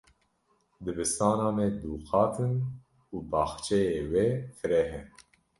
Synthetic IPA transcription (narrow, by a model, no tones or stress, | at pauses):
d̪ɨbɨst̪ɑːnɑːmɛd̪uːxɑːt̪ʰɨn | uːbɑːxt͡ʃʰɛjeːwefɨɾɛɦɛ